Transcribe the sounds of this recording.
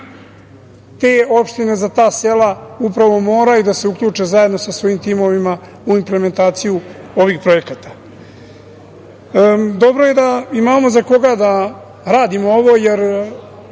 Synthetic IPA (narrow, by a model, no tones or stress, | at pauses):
t̪eːo̞pʃt̪ine̞zat̪aːse̞laupɾaʋo̞mo̞ːɾajud̪aseukʎʲuːt͡ʂezajed̪no̞sasʋo̞jimt̪iːmo̞ʋima | uimpleme̞nt̪aːt̪sijuo̞ʋixpɾo̞je̞kat̪ḁ | d̪o̞bɾoje̞d̪aimaːmo̞zako̞ɡad̪a | ɾaːd̪imo̞o̞ʋo̞je̞ɾ